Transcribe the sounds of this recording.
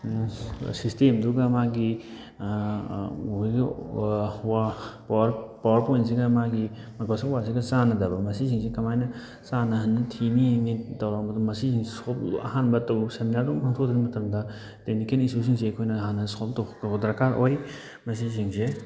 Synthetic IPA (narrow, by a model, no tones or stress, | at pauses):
sistemduɡɐmaɡi | ɡ | wapawɐɾpawɐɾpojns̬iɡɐmaɡi | mɐɡʰasakwas̬iɡɐsanɐdɐbɐmɐsis̬iŋsekɐmajnɐ | sanɐɦɐnːtʰininitɐwɾabɐdumɐsisiŋsolɐ̰hanbɐtɐwseminaɾduŋpʰaŋtʰodɐɾimɐtɐmdɐ | denikelisus̬iŋs̬eɐkʰojnɐɦanːɐskoltɐwɐbɐdɐɾkaɾoj | mɐs̬isiŋse